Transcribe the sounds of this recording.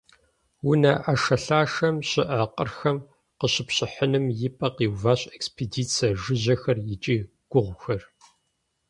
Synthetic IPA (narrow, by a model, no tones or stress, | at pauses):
wʊnɐʔaʂɐɬaːʂɐmɕɪʔɐqʼə̰rxɐm | qəɕɪpɕʼɪħənɨmjɪpʼɐqiːwvaːɕʼekspʰediːt͡sʰɐʒɨʑɐxɐrjɪt͡ʃʼiː | ɡ̥ʷʊʁʷxɐr